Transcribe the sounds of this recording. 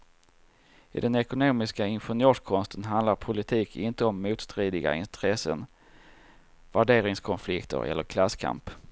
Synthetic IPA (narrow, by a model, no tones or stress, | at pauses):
ɪ̰d̪ɛnɛkʊnoːmɪskaɪnɧɛɳjøːʂkʰɔnst̪ʰənɦand̪laɾpʰʊlɪt̪ʰiːkʰɪnt̪əɔmːuːt̪st̪ɾiːd̪ɪɡa̰ɪnt̪ɾɛsə̰n | væɖeːɾɪŋskʰɔnflɪkt̪ʰə̰ɾɛ̰lːəɾkʰlasːkʰa̰mp